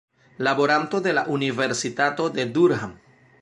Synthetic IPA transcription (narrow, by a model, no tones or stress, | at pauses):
labo̞ɾanto̞de̞laʔunive̞ɾsitato̞de̞duɾham